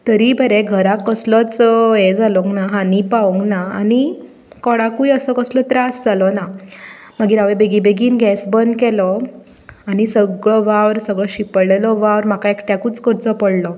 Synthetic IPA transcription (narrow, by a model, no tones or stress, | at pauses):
t̪əɾibəɾɛɡʱəɾakːəslɔt͡sjɛd͡zalɔŋɡnaɦanipaʋuŋɡnaani | kɔɽakujəsɔkəslɔt̪ɾasd͡zalɔna | məɡiːɾaʋebeɡibeɡiːnɡɛsbənd̪kɛlɔ | añisəɡɭɔʋaʋɾsəɡɭɔɕipəɭɛlɔʋaʋɾm̤akaekʈakuːt͡skəɾt͡sɔpəɽlɔ